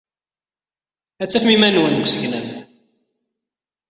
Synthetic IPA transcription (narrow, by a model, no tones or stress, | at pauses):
æt͡sːæfmimænwənd̪əɡʷsəçlæθ